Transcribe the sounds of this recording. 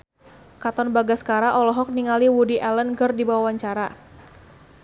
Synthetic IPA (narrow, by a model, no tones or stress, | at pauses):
kat̪ɔnbaɡaskaɾaʔɔlɔɦɔk̚niŋaliwudiʔɛlənkɨrdibawawaɲt͡ʃaɾa